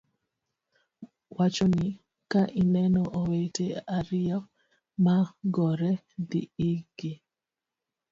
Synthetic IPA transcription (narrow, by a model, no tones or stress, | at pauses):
wat͡ʃoni | kaʔinɛnɔʔoweteaɾɪjɔ | maɡɔɾɛ | diiɡ̥i